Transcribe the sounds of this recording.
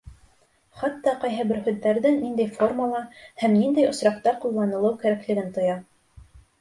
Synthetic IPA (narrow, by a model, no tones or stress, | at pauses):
χɑt̪ːɑqɑjɦɤbɘɾhʉðːæɾðɘŋnind̪æjforməlˠɑhæmnind̪æjŏsɾɑqt̪ɑqulˠːɑnɤ̆lˠɤwkæɾæklɘ̆ɡɘnt̪ŏjɑ